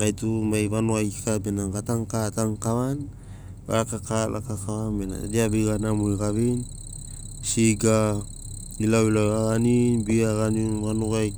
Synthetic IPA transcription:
ɡajtumajβanoajkabenaɡataŋkataŋkawan | ba̰ɾakakalʔa̰kakawanbena̰deabeɡanamojɡaβin | siɡa | ilawilawaɡaninbiaɡaninβanoaj

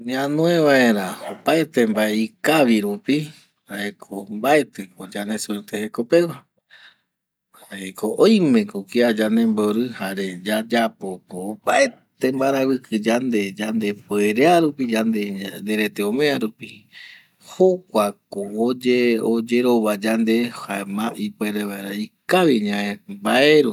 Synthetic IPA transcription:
ɲiãnõẽβae̞ɾaopaet̪e̞mbaeikaβiɾupi | haekʰombae̞t̪ɨkod͡ʒane̞sueɾt̪eheko̞pe̞wa | haekoʔõj̃mẽ̞kokiad͡ʒand̪ẽ̞mboɾɨhaɾe̞d͡ʒad͡ʒapokoːpae̞t̪embaɾaβɨkʰɨd͡ʒand̪ed͡ʒand̪e̞pweɾeaɾupid͡ʒand̪end̪e̞ɾe̞t̪eõmẽaɾupi | hokʷakood͡ʒeod͡ʒeɾo̞βad͡ʒand̪e̞hamãʔipwe̞ɾeβaeɾaikaʋiɲãẽmbaeɾu

